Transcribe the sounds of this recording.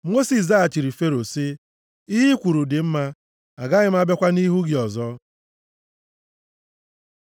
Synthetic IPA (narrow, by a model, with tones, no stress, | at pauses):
mo˦si˨s̬a˦a˨t͡ʃi˨ɾi˨fe˦ɾo˨si˦ | i˦ɦi˦kʷu˨ɾu˨dɪ˨m̩˦ma˦ | a˨ɡa˦ɣɪ˦m̩˦a˦be˦kʷa˦ni˦ɦu˦ɡɪ˨ɔ˨zɔ˦